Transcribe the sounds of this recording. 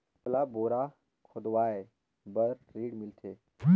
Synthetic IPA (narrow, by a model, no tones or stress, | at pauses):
laboːɾa | kʰʊd̪ʋaːe | bəɾɾiːɽmɪlt̪ʰeː